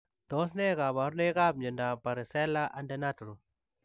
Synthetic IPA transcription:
d̪̥ɔ˦s̬nɛ˦ɣa˨βa˨ɾne˦ɣa˦b̚ɲə˨nda˨pa˨ɾɪ˨sɛ˦la˦ʔa˦nde˦na˦tɾu˨

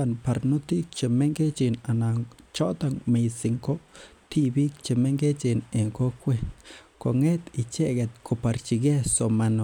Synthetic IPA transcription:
a˦npa˨ɾnu˦t̪i˦k̚t͡ʃe˨me˦ŋɡe˦t͡ʃi˧˨na˨na˨t͡ʃo˦t̪a˧ŋme˧si˨ŋko˦t̪i˦bi˦k̚t͡ʃe˨me˦ŋɡe˦t͡ʃi˧ne˨ŋko˦kʷe˦nt̪ko˨ŋe˦t̪i˧t͡ʃe˦ɡe˧t̪̚ko˧pa˨˧ɾt͡ʃi˧ɡe˦so˨ma˧n˨

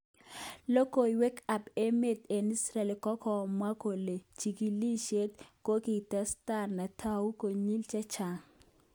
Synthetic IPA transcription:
lo˦ko˨i˨we˦ka˨pe˦me˨t̪e˨ni˦sɾɛ˨le˨kɔ˦kɔ˨mwa˦ko˨le˨t͡ʃi˨ki˨li˦ʃe˦t̚ko˦ki˨ta˦sta˦˨rna˨tʰa˦u˦ko˨ɲi˦lt͡ʃa˦t͡ʃa˨

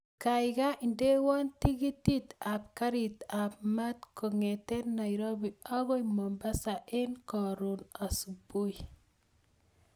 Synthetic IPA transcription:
kajɡa˦ʔi˨nde˦wɔ˦nti˦ɡi˦ti˦t̪apka˦ɾit̪ap̚ma˦t̪koŋet̪ɛ˦na˨jɾo˦bia˦ɣo˦jmɔmba˦saʔe˦nkɔɾuna˨subu˦j

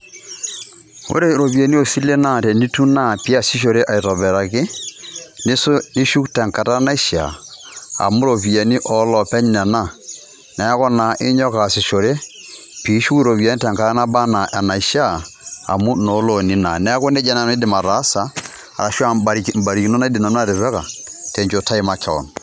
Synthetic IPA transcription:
o̰˦ɾe˦ɾo˨βje˨ni˦o˨si˦le˦na˦˨tɛ˨ni˦tu˦na˦˨pi˦a˨si˦ʃ̬o˨ɾe˦ʔa˨i˨tɔ˨βɛ˨ɾa˨kɪ˦ | nɪ˦so˦ni˦ʃu˦ktɛ˨ŋka˨ta˦na˦i˦ʃa̰˨a̰˨mu˦ɾo˨pi˨ɛ˨ni˦ʔɔ˨˦lɔ˨pɛ˦ɲ˦nɛ˨na˦˨ | nɛ˨˦kɔ˦na˨ʔɪ˦ɲɔ˦ka˨si˨ʃo˨ɾe˦ | pi˨˦ʃu˦ku˦ɾo˨βi˨a˨˦n˦tɛ˨ŋka˨ɾa˦na˦ba˦na˨ʔa˨na˨i˨ʃa˦a̰˨mu˦no˨˦lo˨ni˨na̰˨nɛ˨˦kɔ˦nɛ˦d͡ʒa˦na˨ni˦dɪ˨ma˨ɾa˨˦saː˨ | ɾa˨ʃwa˦˨ba˨ɾi˨km̩ba˨ɾi˨ki˨nɔ˦na˦di˨na˨n˦a˦ɾɪ˨βɛ˦ka̰˨tɛ˨ɲt͡ʃo˨tʰa˦i˨ma˦kʰa̰˨ɔ̰˨n˨

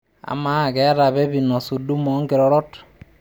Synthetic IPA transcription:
a̰˨ma˨kɛ˨˦ɾa˨bɛ˦bi˨nɔ˨su˨du˦mɔ˨˦ŋki˨ɾɔ˨ɾɔ˦t

